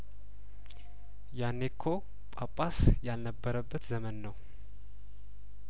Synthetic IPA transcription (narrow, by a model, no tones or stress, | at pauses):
janːekʰːo | pʼapʼasjalnəbːəɾəbːət̪zəmənːəw